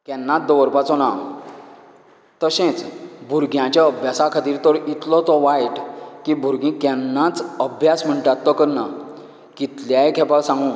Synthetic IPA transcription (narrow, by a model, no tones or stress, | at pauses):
kɛnːãt̪̚d̪ɔʋəɾpat͡sɔnãm | t̪əɕẽt͡sbʱuɾɡjãt͡ɕjaəbʱjasakʰət̪iːɾt̪ɔɾit̪lɔt̪ɔʋajʈkibʱuɾɡĩkɛ̃nːãt͡səbʱjasm̤əɳʈat̪ːɔkəɾna | kit̪ljaekʰɛpasãŋɡũ